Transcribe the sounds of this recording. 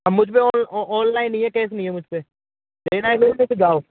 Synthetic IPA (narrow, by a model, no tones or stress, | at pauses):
ɐmːʊd͡ʒʱpeɔːnɔːnlaːɪ̃nĩɦɛ̃kɛːsnɐĩɦɛmʊd͡ʒʱpe | d̪eːnaeseɾmẽsed͡ʒaːoː